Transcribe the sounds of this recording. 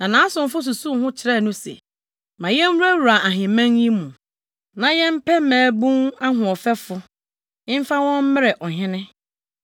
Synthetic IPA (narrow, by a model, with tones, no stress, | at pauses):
nã˨nã˨˦sʊ̃˨m̩˦fʊ˦s̬u˨su˦˨˦hʊ̃˦t͡ɕʰɪ˨ɾɛ˦˨nʊ̃˦sḛ˨ | mã˨jɛ˦n˦u˦æ˦wɾa˨a˨ɦɪ̃˨mæ̃˦ŋjĩ˦mũ˨ | nã˨jɛ̃˦m̩˦pʰɛ˦mæ̃ː˨˦bũ˦na˦ɦʊ̃˨ɔ˨fɛ˦fʊ˦ | ɪ̃˦m̩˦fa˦wɔ̃˦m˦mɪ˦ɾɛ˨ʔɔ˨ɦɪ̃˦nɪ̃˦